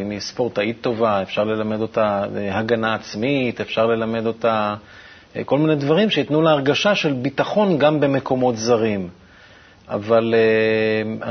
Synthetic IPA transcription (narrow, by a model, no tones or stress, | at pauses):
imispo̞ʁt̪ait̪ːo̞vae̞fʃaʁle̞lame̞d̪o̞taehaɡanaːt͡smitefʃaʁle̞lame̞d̪o̞ta | ko̞lminedvaʁimʃeitnuleaʁɡaʃaʃe̞lbitaχo̞nɡambe̞me̞ko̞mo̞tzaʁim | a̰vale | a